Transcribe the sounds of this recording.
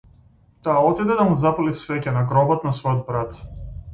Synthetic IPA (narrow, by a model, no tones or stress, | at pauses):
t̪aːɔt̪id̪ɛd̪amuzapɔlisvɛcɛnaɡɾɔbɔt̪nasvɔjɔd̪̚bɾat̪